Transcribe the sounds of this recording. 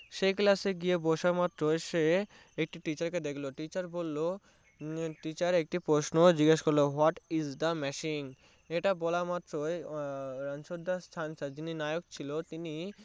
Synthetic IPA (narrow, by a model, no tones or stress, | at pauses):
ʃejklaseɡiebɔʃamat̪ːɾoeʃe | ek̚ʈiʈit͡ɕaɾked̪ekʰloʈit͡ɕaɾbolːo | ʈit͡ɕaɾek̚ʈipɾosnod͡ʑiɡeʃkoɾloɦɔʈizd̪amɛʃiŋ | eʈabɔlamat̪ːɾoeɾanʃod̪ʱːast̪ʰanʃad͡ʑininajok̚t͡ɕʰilot̪ini